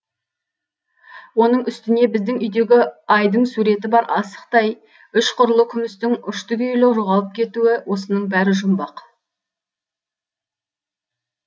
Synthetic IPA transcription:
wo̞nəɴʏst̪ɪne̞bɪzd̪ɪŋʏjd̪e̞ɡʲɪɑjd̪əɴsuɾe̞t̪̬ɪbɑɾɑsə̥qt̪ɑj | ʏʃqʰʊɾlˠəkʲʰʏmɪst̪ɪŋʏʃt̪ʏɡʲʏʏlɪqʒoʁɑlˠəp̚kʲʰe̞t̪uɪwʔo̞sənəɴbæɾɪʒʊmbɑq

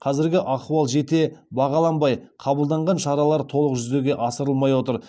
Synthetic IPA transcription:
qʰɑzɪɾɡʲɪʔɑχuɑlˠʒe̞t̪e̞bɑʁɑlˠɑnbɑjqʰɑbəlˠd̪ɑɴʁɑnʃɑɾɑlˠɑɾt̪ʰo̞lˠəqʒʏzd̪e̞ɡʲe̞ʔɑsəɾəlˠmɑjwot̪əɾ

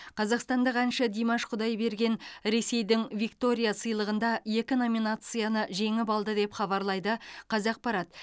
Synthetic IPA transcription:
qʰɑzɑqst̪ɑnd̪əqænʃəd̪ijmɑʃqʰʊd̪ɑjbe̞ɾɡʲe̞nɾe̞se̞jd̪ɪŋvikt̪o̞ɾʲijasəjlˠəʁənd̪ɑje̞kʲɪno̞mʲinat̪sɨjanəʒe̞ŋɪpɑlˠd̪əd̪e̞pχɑβɑɾlˠɑjd̪əqʰɑzɑq̚pɑɾɑt̪

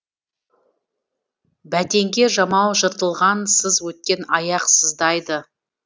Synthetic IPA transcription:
bæd̪e̞ŋɡʲe̞ʒɑmɑwʒəɾt̪əlˠʁɑnsəzwɵt̪̚kʲe̞nɑjɑqsəzd̪ɑjd̪ə

